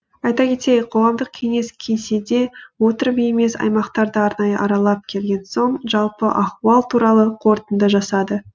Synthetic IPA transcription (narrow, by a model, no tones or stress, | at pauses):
ɑjt̪ɑkʲʰe̞t̪ejəqʰo̞ʁɑmd̪əq̚kʲʰe̞ŋe̞skʲʰe̞jsed̪e̞wo̞t̪əɾbijme̞sɑ̰jmɑqt̪ɑɾd̪əɑɾnɑjəʔɑɾɑlˠɑp̚kʲʰe̞lɡʲe̞nso̞ɴʒɑlˠpəʔɑχuɑlˠt̪ʰuɾɑlˠəqʰo̞ɾt̪ənd̪əʒɑsɑd̪ə